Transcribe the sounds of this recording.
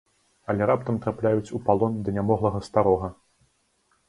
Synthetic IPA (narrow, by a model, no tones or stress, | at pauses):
ɐlʲɛɾapt̪ɐmt̪ɾaplʲajut͡sʲupalˠɔnd̪ɐnʲamɔɣlˠɐɣɐst̪aɾɔɣɐ